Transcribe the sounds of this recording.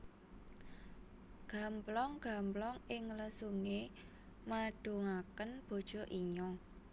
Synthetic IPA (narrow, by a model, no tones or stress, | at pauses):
ɡ̥a̤mplɔŋɡ̥ä̤mblɔŋɪŋləsuŋe | maɖ̥ṳŋakənb̥o̤d̥ʒ̥ɔ̤ʔiɲɔ